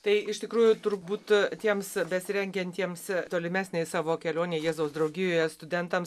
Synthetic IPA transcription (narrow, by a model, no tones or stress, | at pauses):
t̪ɐɪɪʃt̪ʲɪkɾuːjʊt̪ʊɾbuːt̪t̪ʲiɛmsbʲɛsʲɾʲɛŋʲɡʲɛnʲt̪ʲiɛmst̪oːlʲɪmʲæːsʲnʲeɪsɑːʋoːkʲɛlʲoːnʲeːjiːzoːsd̪ɾɒʊɡʲɪjoːjɛst̪ʊd̪ʲɛnt̪ɐms